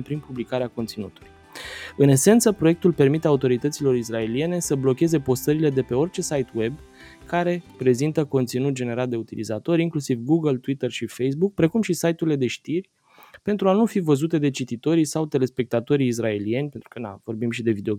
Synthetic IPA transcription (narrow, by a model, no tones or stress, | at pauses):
pɾinpublikaɾeako̞nt̪sinṵt̪uluj | ɨne̞se̞nt̪səpɾoje̞kt̪ulpe̞rmit̪eaut̪o̞ɾit̪ət̪silo̞ɾisrae̞lie̞ne̞səblo̞kʲe̞ze̞po̞st̪əɾile̞d̪e̞pe̞o̞rt͡ʃe̞sajt̪we̞b | kaɾe̞pɾe̞zint̪əko̞nt̪sinut̪̚d͡ʒe̞ne̞ɾat̪̚d̪e̞ut̪ilḭzat̪o̞ɾʲiŋklusivɡuɡəlt̪wit̪ərʃifejs̬buk̚pɾe̞kumʃisajt̪uɾile̞d̪e̞ʃt̪irʲ | pe̞nt̪ɾuanufivəzut̪e̞d̪e̞t͡ʃit̪it̪o̞ɾisawt̪e̞le̞spe̞k̚t̪at̪o̞ɾiːs̬rae̞lie̞nʲpe̞nt̪ɾukəna̰vo̞rbimʃid̪e̞vid̪eo